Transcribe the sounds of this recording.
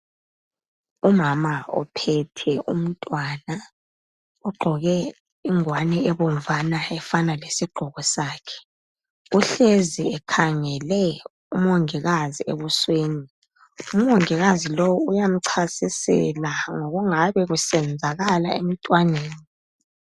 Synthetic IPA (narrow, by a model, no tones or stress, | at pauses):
umamaɔ̰pʰɛtʰɛʔṵm̩tʼwana | ɔɡ͡ǃʱɔɣɛ | iŋwanɛɛβoɱ̩vanaɛfanalesiɡ͡ǃʱɔɣɔsaːkʰɛ̥ | uɬeziɛkʰaŋɛlɛ | um̩oŋiɣaziḛβusweːni | um̩oŋiɣazilowuujam̩ǀʰasisɛ̰laŋoɣuŋaβɛɣusɛnd͡zʱaɣalaḛm̩tʼwaneːni